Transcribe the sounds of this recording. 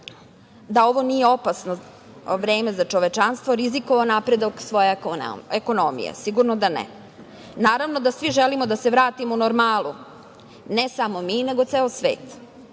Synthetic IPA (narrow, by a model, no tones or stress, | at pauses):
d̪ao̞ʋo̞nijeopasno | ʋɾeːmezat͡ʃoʋet͡ʃanst̪ʋo̞ɾizikoʋonapɾed̪oksʋo̞jḛeko̞nomḭjḛsiɡuɾnod̪anḛ | naːɾaʋno̞d̪asʋiʒelimod̪aseʋɾaːt̪imounoɾmaːlˠu | nesamo̞mine̞ɡo̞t̪seːlosʋḛːt̪